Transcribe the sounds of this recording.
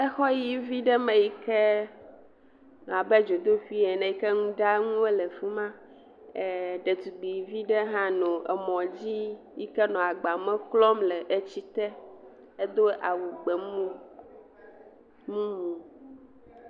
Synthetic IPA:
ɛ˦xɔ˦ji˦vi˦ɖɛ˦mẽ˨ji˦kɛ˦ | ŋ˨a˨bɛ˦d͡ʒo˨d̪o˦ɸi˦ɛ˨nã˨ji˦kɛ˦ŋũ˦ɖa˦ŋũ˦ɛ˦lɛ˨fu˦mã˦˨ | ɖɛ˨t̪u˨ɡ͡bi˨vi˦ɖɛ˦ɦã˦nɔ̃˨ɛ˨mɔ̃˨d͡ʑi˦ | ji˦kɛ˦nɔ̃˨a˨ɡ͡ba˨mɛ̃˦klɔ˦mlɛ˨ʔe˦t͡ɕi˦t̪ɛ˦ | e˦d̪o˦ʔa˨wu˨ɡ͡bɛ˨mũ˦ | mũ˦mũ˨

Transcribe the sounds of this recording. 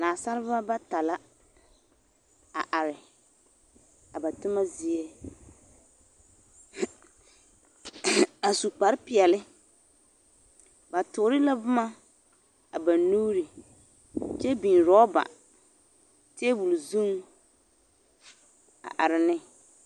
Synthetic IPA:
naː˨sa˦ɾɪ˦ba˦ba˦ta˨la˦ | a˨ʔa˨ɾɪ˨ | a˨ba˨tʊ˦ma˦zɪ˦e˦ | a˨su˨k͡pa˨ɾɪ˦pɪ˨ɛ˨lɪ˦ | ba˨tʊ˨˦ɾɪ˦la˦bʊ˦ma˦ | a˨ba˨nuː˦ɾi˨ | t͡ʃɛ˦bi˨nɾɔ˦ba̰˨ | tɛ˦bu˨lzu˦ŋ | a̰˨ʔa˨ɾɪ˨nɪ˦

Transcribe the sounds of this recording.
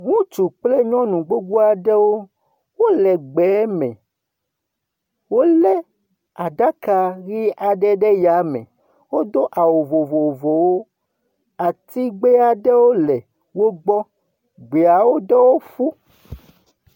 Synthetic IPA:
ŋũ˦t͡ʃu˨k͡plɛ˦ɲɔ̃˦nũ˨ɡ͡bo˦ɡu˦a˨ɖɛ˦wo˦ | wo˦lɛ˨ɡ͡bɛ˨˦mɛ̰̃˨ | wo˦lɛ˦ | a˨ɖa˦ka˨ɣi˦a˨ɖɛ˦ɖɛ˦ja˨˦mɛ̰̃˨ | wo˦d̪o˦ʔa˨wo˨vo˨vo˨vo˨wo˦ | a˨t̪i˦ɡ͡be˦a˦ɖɛ˦wo˦lɛ˨ | wo˦ɡ͡bɔ˦ | ɡ͡be˨a˨wo˦ɖɛ˦wo˦fu˦

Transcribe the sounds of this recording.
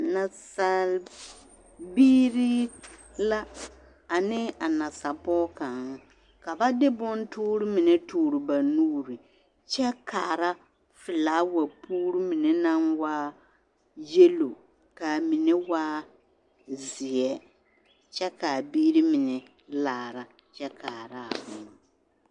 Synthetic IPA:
na˨sa˦l | biː˦ɾi˦la˦ | a˨nɪ˦a˨na˨sa˨pɔ˦ka˨ŋ˦ | ka˨ba˦dɪ˦bʊ˦n˦tʊː˦ɾɪ˦mɪ˨nɛ˦tʊː˦˨ɾɪ˨ba˨nuː˦ɾi˨ | t͡ʃɛ˦kaː˨ɾa˦ | fɪ˨la˦wa˨pʰuː˦ɾi˦mɪ˨ne˦na˦nwaː˦ | je˦lo˨ | ka˨mɪ˨ne˦waː˦ | zɪ˨ɛ˦ | t͡ʃɛ˦ka˨bi˦ɾi˦mɪ˨nɛ˨ | laː˨ɾa˨ | t͡ʃɛ˦kʰaː˨ɾa˦˨bʊ˨n˨

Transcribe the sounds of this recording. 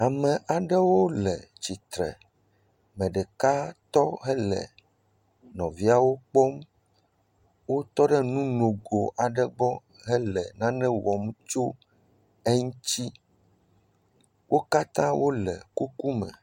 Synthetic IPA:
a˨mɛ̃˨ʔa˨ɖɛ˦wo˦lɛ˨t͡ɕi˨t̪ɾɛ̰˨ | mɛ̃˨ɖɛ˨ka˦t̪ɔ˦ɦɛ˦lɛ̰˨ | nɔ̃˨vi˦a˨wo˦k͡pɔ˦m | wo˦t̪ɔ˦ɖɛ˦nũ˦no˨ɡo˨ʔa˨ɖɛ˦ɡ͡bɔ˦ | ɦɛ˦lɛ˨nã˦nɛ̃˦wɔ˨m˦t͡ʃo˦ | ɛ˦ŋũ˦t͡ɕi˦ | wʔo˦ka˦t̪ã˦wʔo˦lɛ̰˨ku˦ku˦mɛ̰̃˨

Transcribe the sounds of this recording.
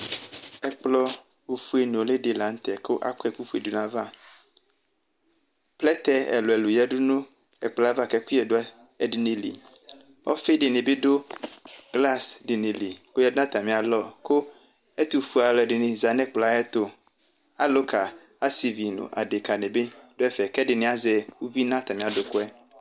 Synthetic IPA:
ɛ˨k͡plɔ˦ | wu˨fu˦e˨nũ˨le˦de˨la˨n̩˦t̪ɛ˨ko˦ʔa̰˦kɛ˨k͡pu˦fu˦ḛ˨du˦n˦ã˦va˦ | plɛ˦t̪ɛ˦ɛ̰˨lo˨ɛ˨lo˨jɛ˦du˦nʊ̃˦ | ɛ̰˨k͡pla˨˦va˦˨kɛ˦ku˦ɛ˨dʊ˦ | ɛ˨dɪ˨ne˨lḭ˨ | ɔ̰˦fe˦dɪ˨ne˨be˦do˦ɡla˦sdɪ˨nɪ˨li˨ko˦jɛ˦dnã˦t̪a˨mĩ˨a˨lɔ˦ko˦ | ɛ˦t̪u˨fu˨˦a˨lo˨ɛ˨dɪ˨nɪ˨za˨nɛ˦k͡pla˨˦ɛ˦t̪o˨ | a˦˨lo˦kʰa˨ | a˦si˨vi˨nṵ̃˨ʔa̰˨dɪ˨ka˨nẽ˨be˦do˦ɛ˦fɛ˨kɛ˦dɪ˨nɪ̃˨a˦zɛ˨wu˦vi˦nã˦t̪a˨mĩ˨a˨do˨kʊ˦ɛ˦

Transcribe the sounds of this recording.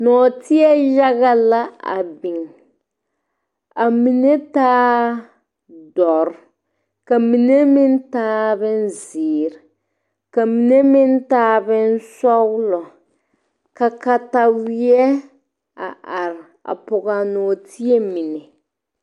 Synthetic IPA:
nɔː˨ti˦ɛ˦ja˦ɣa˦la˦a̰˨bi˨ŋ | a˨mi˨ne˦taː˦ | dɔ˨ɾ | ka˨mi˨ne˦mɪ˦n˦taː˦bɪ˦nziː˨ɾ | ka˨mi˨ne˦mɪ˦ntaː˦bɪ˦n˦sɔ˦wlɔ˨ | ka˨ka˨ta˨wi˦ɛ˦ | a̰˨ʔa˨ɾ | a̰˨pʊ˨ɡa˨nɔː˨tʰi˦e˦mi˨ne˨

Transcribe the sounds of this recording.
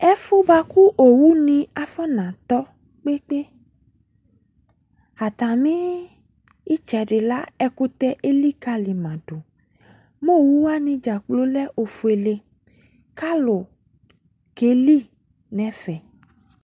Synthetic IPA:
ɛ˦fʊ˦ba˦ku˦ʔo˨wu˦nĩ˧a˦fɔ˦nã˨t̪ɔ˦ | k͡pe˦k͡pe˦ | a˨t̪a˨mĩ˦ | i˦t͡ʃɛ˨ɖɪ˨la˦ɛ˧kʊ˦t̪ɛ˦ʔe˦li˦ka˧li˨mã˨do˨ | mo˦˨wu˦wa˦nĩ˧d͡ʒa˨k͡plo˦lɛ˦ʔo˨fu˨e˨le˧ | ka˦lʊ˨ | ke˨li˦˨ | nɛ̃˨˦fɛ˨

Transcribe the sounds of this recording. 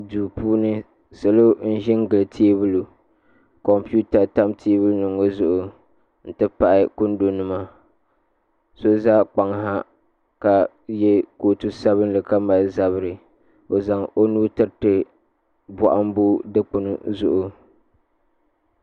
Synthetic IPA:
duː˨puː˦nɨ˦ | sɨ˨lo˦n̩˦ʒɪ˦ŋɡɨ˨lɨ˨tʰeː˦bɨ˦lu˨ | kɔ˨mpu˦ta˨ta˦mtʰi˦bɨ˦lnɨ˨ŋo˦zʊ˦ʔʊ˨ | n̩˨tɨ˦pa˦ʔɪ˦kʊ˦n˦do˦nɨ˦ma˦ | so˦za˦k͡pa˨ŋɦa˦ | ka˨ | jɛ˦ko˨tu˦sa˦βɨ˦n˦lɨ˨ka˦ma˨lza˨bɨ˦ɾɨ˨ | o˨za˨ŋo˦nuː˦tɨ˦ɾtɨ˨ | bɔ̰˨ʔa˦m˦bu˦dɨ˦k͡pʊ˨nɨ˨zʊ̰˦ʔʊ˨

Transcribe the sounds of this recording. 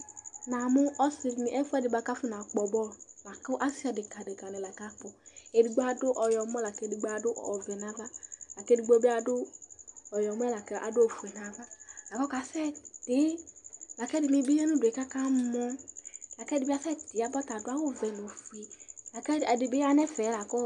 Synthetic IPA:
nã˨mʊ˦ʔɔ˦sɪ˨mɪ˨ʔɛ˦fu˦ɛ˦dɪ˨ba˦ka˦fʊ˦nã˨k͡pɔ˨bɔ˦˨la˨kɛ˦ʔa˦si˦a˨dɪ˨ka˨dɪ˨ka˨nɪ˨la˨ka˦k͡pɔ˨e˨dɪ˨ɡ͡ba˨dʊ˦ʔɔ˨jɔ˨mɔ˦la˨kdɪ˨ɡ͡ba˨dʊ˦ɔ˨vɛ˨nã˦va˦la˨kɛ˦dɪ˨ɡ͡bɔ˦be˦a˨dʊ˦ | ɔ˨jɔ˨mɔ̃˦ɛ˦˨la˨kɛ˦ʔa̰˨dʊ˦o˨fu˨ɛ˨nã˨va˦la˨kɔ˦ka˨sɛ˦t̪ɪ˨˦la˨kɛ˦dɪ˨nĩ˨bi˦jɛ˦nũ˦dʊ˨e˨ka˦ka˦mɔ̃˦la˨kɛ˦dɪ˨ba˨sɛ˦t̪ɪ˨˦a˦bɔ˦t̪a˨dʊ˦a˦wo˦vɛ˨no˨fu˨i˨la˨kɛ˦˨dɪ˨be˦a˦˨nɛ˦fɛ˨˦la˨kɔ˦

